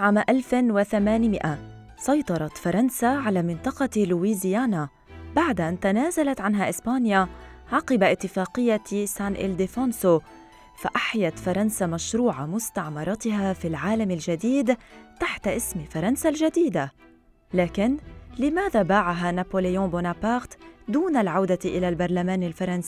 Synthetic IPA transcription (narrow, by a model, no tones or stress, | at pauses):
ʕaːmʔalfwɪθamaːnmɪʔa | sˤɑjt̪ˤɑɾˤɑt̪fɑɾˤɑnsaʕalaːmɪnt̪ˤɑqɑluwiːzɪjaːna | baʕd̪ʔant̪anaːzalat̪ʕanɦaʔɪspaːnjaʕɑːqɪbaʔɪt̪ːɪfaːqɪjːasaːnʔɪ̰ld̪ɪfonso | faʔaħjat̪fɑɾˤɑnsamaʃɾuːʕamʊst̪aʕmɑɾˤɑt̪ɪɦafilʕaːlamalʒad̪iːd̪t̪aħt̪aʔɪsmfɑɾˤɑnsalʒad̪iːd̪a | laːkɪnlɪmaːðabaːʕaɦanapoːlɪjõːbonapɑxt̪d̪uːnalʕawd̪aʔɪlalbɑɾˤlamaːnalfɑɾˤɑnsiː